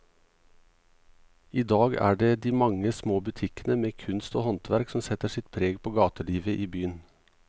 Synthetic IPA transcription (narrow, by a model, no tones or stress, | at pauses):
iːd̪ɑːɡæ̰ːɖeːd̪iːmɑŋəsmoːbʉt̪ʰɪkənəmeːkʰʉnst̪oːhɔnt̪ʰʋæɾksɔmsɛt̪əʃɪt̪̚pʰɾeːɡpʰoːɡɑːt̪əɭiːʋəʔiːbyːən